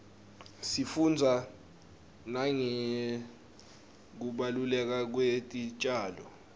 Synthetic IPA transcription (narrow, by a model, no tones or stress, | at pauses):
sifund͡zʱa | naŋɛ | k̬uɓalulɛk̬ak̬wetʼit͡ʃʼaːlɔ̰